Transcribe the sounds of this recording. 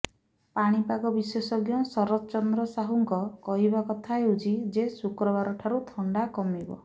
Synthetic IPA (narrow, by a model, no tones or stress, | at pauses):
paɽ̃ipaɡɔbisesɔɡjɔsɔɾɔt͡ʃɔnd̪ɾɔsaɦuŋkɔkɔɦibakɔt̪ʰaɦeud͡ʒid͡ʒesukɾɔbaɾɔʈʰaɾut̪ʰɔɳɖakɔmibɔ̰